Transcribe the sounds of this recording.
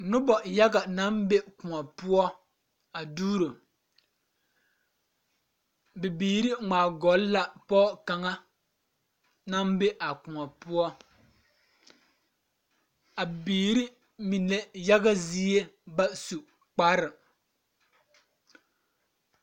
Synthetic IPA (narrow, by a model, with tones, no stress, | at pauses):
nʊ˦bɔ˨ja˦ɡa˨na˦mbe˦kʊ˨ŋa˨pʊ˦ɔ˦ | a˨duː˦ɾo˨ | bɪ˨biː˨ɾi˦ŋ͡maː˨ɡɔ˨˦lla˨pɔː˦ka˨ŋa˦ | na˦mbe˦ʔa˨kʊ˨ŋa˨pʊ˦ɔ˦ | a˨biː˨ɾi˦ | mi˨ne˦ja˦ɡa˦zi˦e˦ba˦su˨ | k͡pa˦ɾɨ˨